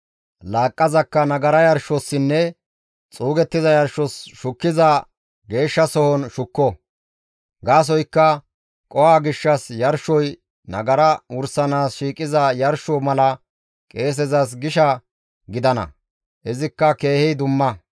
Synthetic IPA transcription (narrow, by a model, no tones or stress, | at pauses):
laːkʼːɐzɐkːɐnɐɡɐɾɐjɐɾʃɔsːɪnːɛ | t͡sʼuːɡɛt̪ːɪzɐjɐɾʃɔsʃʊkːɪzɐ | ɡe̞ːʃːɐsɔhɔnʃʊkːɔ | ɡaːs̬ɔjkːɐ | kʼɔwaːɡɪʃːɐsjɐɾʃɔj | nɐ̰ɡɐɾɐʊɾsɐnaːsʃiːkʼɪzɐjɐɾʃɔmɐlɐ | kʼe̞ːs̬ɛzɐs̬ɡɪʃɐ | ɡɪd̪ɐnɐ̰ | ɪzɪkːɐke̞ːhɛjd̪ʊmːɐ